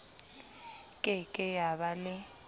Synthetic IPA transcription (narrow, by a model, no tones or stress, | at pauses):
kʼɪkʼɪjaβalɪ